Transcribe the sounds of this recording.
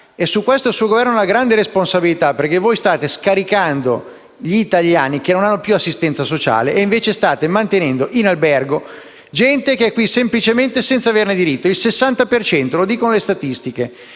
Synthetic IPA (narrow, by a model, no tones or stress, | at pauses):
esukːwest̪oilsuːoɡovɛrnoolaɡɾand̪eɾesponsabilit̪aperkevojst̪aːt̪eskaɾikand̪o̰ | ʎiːt̪aʎjaːnikenːonanːopjuasːist̪ɛnt̪sasot͡ʃa̰ːleʔːiɱveːt͡ʃest̪aːt̪emant̪enɛnd̪oʔinalbɛrɡo | d͡ʒɛnt̪ekeɛkːwisemplit͡ʃement̪esɛnt̪saverned̪iɾit̪ːoilsesːant̪apert͡ʃɛnt̪olod̪iːkonolest̪at̪ist̪ike